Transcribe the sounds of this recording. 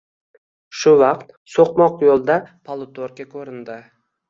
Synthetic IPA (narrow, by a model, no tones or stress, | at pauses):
ʃʊvɑqt̪̚ | soqmɒqjolˠd̪apʰalˠʊt̪ʰoɾkʲakʰɵɾɪnd̪ɪ